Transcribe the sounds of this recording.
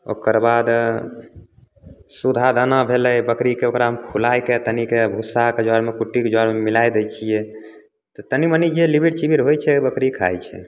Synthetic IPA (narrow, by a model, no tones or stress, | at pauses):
o̰kəɾbad̪ | sud̪ʱad̪ənabʱeləjbəkɾikeokɾaɦəmpʰulajket̪ənikebʱusaked͡ʒɔɾmekuʈːiked͡ʒɔɾmemilajd̪ɛt͡ʃʰijɛ | t̪ɔt̪ənimənid͡ʒelibʱiʈt͡ʃibʱiɾɦojt͡ʃʰɛbəkɾikʰa̰jt͡ʃʰɛ̰